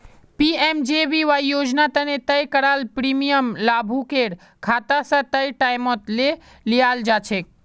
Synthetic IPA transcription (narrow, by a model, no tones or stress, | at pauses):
piemd͡ʒebiʋajjod͡ʒnat̪ənet̪əjkəɾalpɾimijəmlabʱukeɽ | kʰat̪asə̃t̪əjʈajmot̪le | lijald͡ʒat͡ʃʰek̚